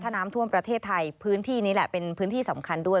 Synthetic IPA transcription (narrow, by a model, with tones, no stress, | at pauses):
t̪ʰːa˧˥˧naː˦˥mt̪ʰu˥˩əmpɾa˧t̪ʰeː˥˩t̪ʰːa˧jpʰɯː˦˥nt̪ʰiː˥˩niː˦˥lɛ˨˩pe˧npʰɯː˦˥nt̪ʰiː˥˩sa˩˦mkʰa˧ndu˥˩əj